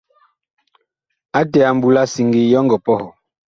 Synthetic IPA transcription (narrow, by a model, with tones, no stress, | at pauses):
a˦tɛ˨a˨m̩˨bu˨la˦si˨ŋɡi˨jɔ˦ŋɡɔ˨pɔ˦hɔ˨